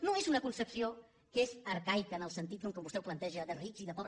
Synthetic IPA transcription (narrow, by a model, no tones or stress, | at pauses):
noezunəkunsəpsio | kezəɾkajkəːnəlˠsənt̪̬it̪̚koŋkəmbust̪ɛwplənt̪ɛʒəðərikziðəpɔβ